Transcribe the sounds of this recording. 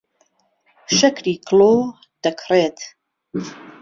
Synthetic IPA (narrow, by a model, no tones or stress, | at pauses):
ʃɐkɾiːkʰlo | d̪̥ɐkʰreːt̪